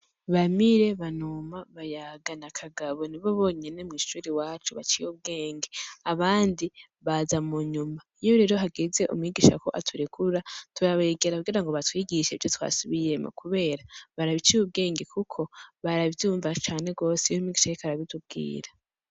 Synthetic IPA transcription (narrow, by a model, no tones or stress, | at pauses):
βamiɾe̞βanumaβajaɡanakʰaɡaβo̞niβo̞βo̞ːɲe̞ne̞mŋiːʃuːɾiwaːt͡ʃuβat͡ʃijuβ̚ɡe̞ːŋɡeaβaːndi | βazamuɲumaijo̞ɾe̞ːɾo̞ɦaɡeze̞ʔṵmŋiːɡiːʃa̰ko̞̰ʔatʰuɾekʰuɾatuɾaβeɡe̞ɾakuɡiːɾaŋɡo̞βatwiːɡiʃeivjo̞twa̰suβije̞mo̰kuβe̞ːɾaβaɾaβit͡ʃijub̚ɡe̞ːŋɡe̞kʰukʰo̞βaɾavjuːɱvat͡ʃaːne̞ɡo̞ːsejomiːɡiːʃajekaɾaβitub̚ɡḭːɾa